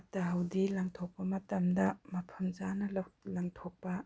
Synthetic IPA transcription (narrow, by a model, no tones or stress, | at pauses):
tːɐɦɐwdilaŋtʰok̚pɐmɐtɐmdɐmɐpʰɐmzanɐllaŋtʰɔk̚pɐ